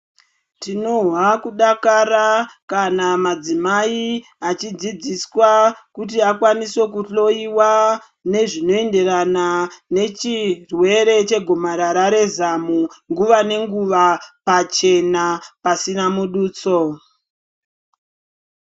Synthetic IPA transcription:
tino̞ɦwakuɗakaɾakanamad͡zimai | at͡ʃid͡zid͡ziswakut̬iakwaniswe̞k̬uɬo̞iwa | ne̞ʐino̞endeɾanane̞t͡ʃirwe̞ɾe̞t͡ʃe̞ɡʱomaɾaɾaɾe̞zamuŋɡuʋane̞ŋɡuʋapat͡ʃe̞napasinamuɗuːt͡so̞

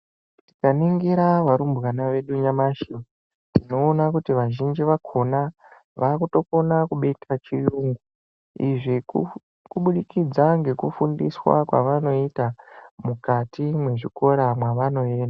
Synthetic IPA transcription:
ti̥kaniŋɡiɾaʋaɾumbɣanaʋe̞ɗuɲamaʃio | tino̞ːnakutiʋaʒind͡ʒiʋakʰo̞na | ʋakuto̞ko̞nakuɓetʰat͡ʃijuŋɡu | iʐi | kuɓuɗikid͡zaŋɡe̞kufundiswa̰kwa̰ʋano̞itamukatʰimwe̞ʐiko̞ɾamwaʋano̞eːnda

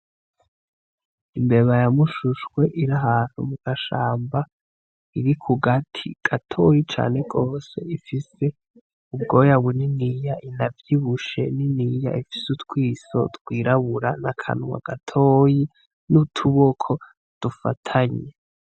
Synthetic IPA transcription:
imbe̞βajamuʃuʃwe̞ʔiɾaɦaːn̥hṵmuɡ̥aʃaːmba | iɾikʰuɡatʰḭɡ̥atʰo̞jit͡ʃa̰ːne̞ɡo̞ːse̞ifise̞ | ubɡo̞ːjawuninijaʔinavjiβuʃe̞̰ninija̰ifi̥sutwiːso̞̰tɡwiːɾaβuɾanakʰa̰nwa̰ɡ̥atʰoːji | nutʰuβokʰo̞ | d̥ufa̰tʰaɲe

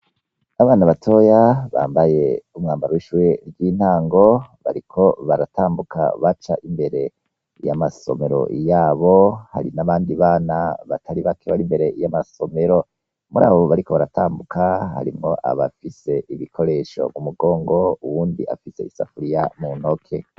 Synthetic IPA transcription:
aβaːnaβatʰo̞jaβa̰ːmbaje̞umŋaːmbaɾowiʃujeɾɡiːn̥haːŋɡo̞βa̰ɾikʰo̞βaɾataːmbukʰa̰βat͡ʃaʔimbe̞ɾe̞ | jamaso̞̰me̞ɾo̞̰jaːβo̞ha̰ɾinaβaːndiβaːnaβatʰaɾiβakʰeβaɾimbe̞ɾe̞jamaso̞me̞ɾo̞ | muɾa̰ːβo̞βaɾiko̞βaɾataːmbukʰaha̰ɾimŋo̞ʔa̰βafise̞ʔiβikʰo̞ɾe̞ʃo̞̰mumuɡo̞ːŋɡo̞uwuːndiʔa̰fise̞isa̰fuɾijamun̥hokʰe̞

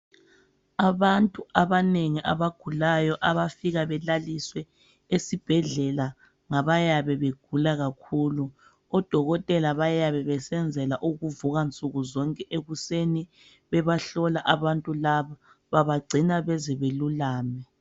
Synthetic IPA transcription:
aβantʼuʔaβaneŋiʔa̰βaɡ̥ʱulajɔʔaβafiɣaβɛlaliswɛ | esib̥ʱɛɮɛla | ŋaβajaβɛβeɡ̥ʱulaɣakʰuːlu | ɔd̥ʱɔɣɔtʼɛlaβajaβɛβɛsɛnd͡zʱɛlaʔuɣuvuɣant͡sʼuɣuzɔŋkʼɛʔeɣuseni | βɛβaɬɔlaʔaβantʼulaβa | βaβaɡ͡ǀʱinaβɛzɛβelulaːmɛ

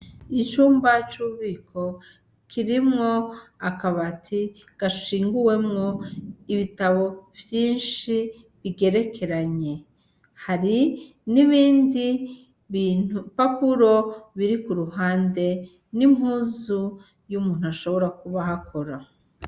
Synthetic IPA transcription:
it͡ʃuːmbat͡ʃuβikʰo̞ | kʰiɾimŋo̞akaβatʰi | ɡ̥aʃiːŋɡuwe̞mŋo̞iβitaβo̞vjiːnʃi | βiɡe̞ɾe̞kʰe̞ɾaɲe̞ | haɾi | niβiːndi | inupapuɾo̞βiɾikuɾuɦaːnde̞ | nimhuːzu | jumuːn̥uaʃo̞βo̞ɾakuβaɦakʰo̞ɾa

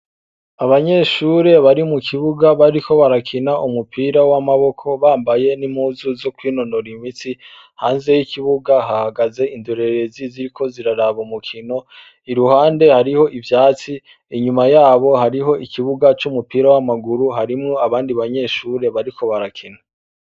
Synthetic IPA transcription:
aβaɲe̞ːʃuːɾe̞βaɾimukʰiβuɡaβaɾikʰo̞βaɾakʰinaʔumupʰiːɾawamaβo̞kʰo̞βaːmbaje̞nimuzuzo̞kwiːno̞no̞ɾimit͡si | haːnze̞jikiβuɡaɦahaɡaze̞indoɾe̞ɾe̞ziziɾikʰo̞ziɾaɾaβumukʰino̞ | iɾuhaːnde̞haɾiho̞ʔivjaːt͡si | iɲumajaːβo̞haɾiɦo̞ʔikʰiβuɡat͡ʃumupiːɾawamaɡuɾuɦaɾimŋo̞aβaːndiβaɲe̞ʃuːɾe̞βaɾikʰo̞βaɾakʰina

